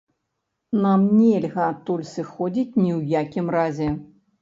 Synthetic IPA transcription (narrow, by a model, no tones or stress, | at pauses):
namnʲɛlʲɣɐat̪ːulʲsɨxɔd͡zʲit͡sʲnʲiwjakʲimrazʲɛ